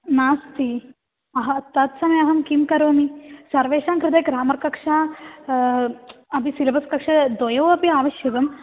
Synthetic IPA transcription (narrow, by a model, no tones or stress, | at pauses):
naːst̪ʰi | ɐɦɐɐt̪ːɐt̪sɐmɐjɐɦɐmkimkɐɾoːmisɐɾʋeːʂaːŋkɾɪt̪eːkɾaːmɐɾkɐkʂaː | ɐpisilɐbɐskɐkʂɐd̪ojɐʋɐpiaːʋɐʃjɐt̪ɐm